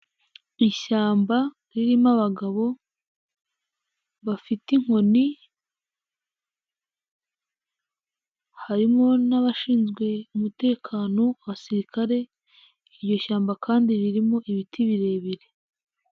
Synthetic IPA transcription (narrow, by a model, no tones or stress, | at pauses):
iʃaːmba | ɾiɾimaβaɡaβo̞ | βafitiŋ̥ho̞ni | haɾimo̞naβaʃiːnzɡwe̞umute̞ːkʰaːno̞aβasiɾikʰaɾe̞ | iɾjo̞ʃaːmbakʰaːndiɾiɾimo̞ʔiβitʰiβiɾe̞ːβiɾe̞